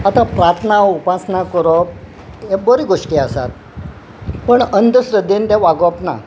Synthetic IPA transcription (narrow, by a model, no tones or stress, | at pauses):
at̪apɾaɾt̪ʰnaupasnakəɾɔ | ɦebəɾiɡoʂʈiːasa̰t̪̚ | pəɳənd̪əsɾəd̪ent̪ãʋaɡɔpna̰